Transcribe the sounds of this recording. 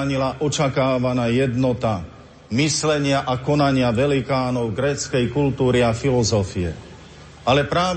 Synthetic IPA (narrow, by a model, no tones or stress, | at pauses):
ɲilaʔɔt͡ʃakaːʋanaːjɛd̪nɔt̪a | mislɛɲɪaʔakɔnaɲɪaʋɛlikaːnɔʊɡɾɛːt͡skɛjkult̪uːɾiafilɔzɔfiɛ̰ | alɛpɾaːʋ